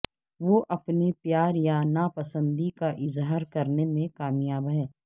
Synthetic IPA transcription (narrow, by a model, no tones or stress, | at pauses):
ʋoʔɐpnipjaːɾjanaːpɐsə̃nd̪ikaʔɪzɦaːɾkɐɾnemẽkaːmjaːbɦɛː